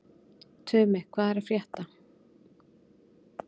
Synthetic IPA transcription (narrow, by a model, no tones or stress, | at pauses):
t̪ʰʏːmɪkʰvaːðɛɾafɾjɛht̪a